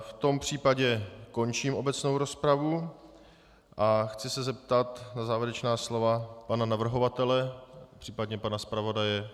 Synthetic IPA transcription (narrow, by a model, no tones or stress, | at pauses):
ft̪o̞mpr̝̥iːpaɟɛko̞nt͡ʃiːmʔo̞bɛt͡sno̞wɾo̞spɾavu | ʔaxt͡sɪsɛzɛp̚t̪at̪nazaːvjɛɾɛt͡ʃnaːslo̞vapananavr̩ɦo̞vat̪ɛlɛpr̥iːpadɲɛpanaspɾavo̞dajɛ